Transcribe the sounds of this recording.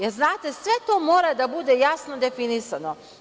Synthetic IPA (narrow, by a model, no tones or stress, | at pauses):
jeɾznaːt̪e̞sʋe̞t̪o̞ːmo̞ːɾad̪abud̪e̞jasno̞d̪e̞finisano